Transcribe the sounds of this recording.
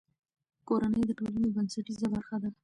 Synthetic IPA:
koɾanəjd̪əʈolanobənsaʈizabaɾxad̪aɾ

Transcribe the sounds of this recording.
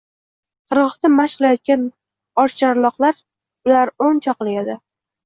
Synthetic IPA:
qʰɨɾʁɨχt̪amaʃqɨlajɒt̪̚kʲan | ɒɾʃt͡ʃʰaɾlˠɒqlˠaɾ | ʊlaɾont͡ʃʰɒqlˠɪjad̪ɪ

